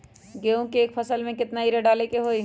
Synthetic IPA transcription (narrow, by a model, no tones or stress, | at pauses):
ɡeːõkeːkpʰəsəlmẽkɪt̪naiɾeɖaːlekeɦoːi